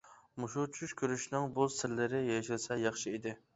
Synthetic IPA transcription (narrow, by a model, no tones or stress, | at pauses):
muʃut͡ʃʰyʃkʲʰøɾyʃnɪŋbusɪɾlːɪɾɪjeʃilˠsɛjɑχʃɨid̪ɪ